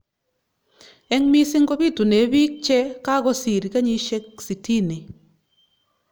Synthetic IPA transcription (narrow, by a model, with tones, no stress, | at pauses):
ɛ˦ŋmi˦sɪ˦ŋɡɔ˦bi˦˨tu˨ne˨˦bi˦k̚t͡ʃɛ˦ka˦kɔ˦si˨ɾi˨ka˦ɲi˦ʃɛ˦k̚si˨ti˦ni˨